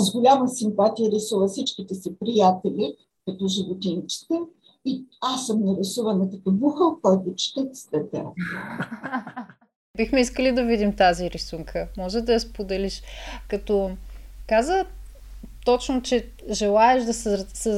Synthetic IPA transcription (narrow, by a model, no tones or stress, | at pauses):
zɡʊlʲamɐsimpat̪ijəɾɛsuvəfsit͡ʃkit̪ɛsipɾijat̪ɛlʲi | kɐt̪ɔʒivot̪int͡ʃi̥t̪ɛ | iasːəmnɛɾɛsuvɐnɐkɐt̪ovuxəlˠkojd̪ot͡ʃi̥t̪ɛt̪st̪ɛt̪ɛ̰ | bixmɛiskəlid̪ɐvid̪imt̪aziɾisuŋkʰəmɔʒɛd̪ɐjɐspod̪ɛliʃkɐt̪ɔkazə | t̪ɔt͡ʃnot͡ʃɛ | ʒɛlˠaɛʃd̪ɐssɛ